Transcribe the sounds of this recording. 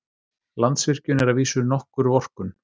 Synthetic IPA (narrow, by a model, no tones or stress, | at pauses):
lant̪svɪr̥cʏnɛɾaðviːsʏɾnɔhkʏɾvɔr̥kʏn